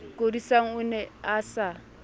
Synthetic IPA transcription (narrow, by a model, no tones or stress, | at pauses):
kʼodisaŋ̩unɛasa